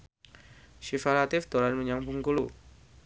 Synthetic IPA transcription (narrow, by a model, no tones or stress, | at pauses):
ʃifalat̪ɪfd̪̥olanməɲaŋbuŋkulu